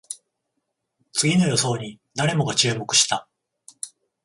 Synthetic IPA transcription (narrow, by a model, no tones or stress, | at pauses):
t͡sɨɡʲino̞jo̞so̞ːɲ̟i | d̪aɾe̞mo̞ɡat͡ɕɨːmo̞kɯ̟̥ɕi̥t̪a